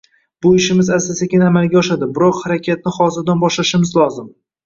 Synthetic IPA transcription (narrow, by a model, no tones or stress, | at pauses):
b̥ʊɪʃɪmɪzasasakʲɪnamalˠɡʲaɒʃad̪ɪbɪɾɒqhaɾakʲʰat̪̚nɪχɒzɪɾd̪anbɒʃlaʃɪmɪzlˠɒzɪm